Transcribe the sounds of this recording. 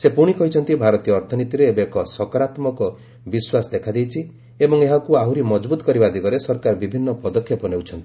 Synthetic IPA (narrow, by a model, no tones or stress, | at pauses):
sepuɽ̃ikɔɦit͡ʃʰɔnt̪ibʱaɾɔt̪ijɔːɾt̪ʰɔnit̪iɾeːbekɔsɔkɔɾat̪mɔkɔ | biswasɔd̪ekʰad̪ejt͡ʃʰi | ebɔŋeɦakuaɦuɾimɔd͡ʒbut̪ɔkɔɾibad̪ʱiɡɔɾesɔɾkaɾɔbibʱinːɔpɔd̪ɔkʰjɔpɔnewt͡ʃʰɔnt̪ii̥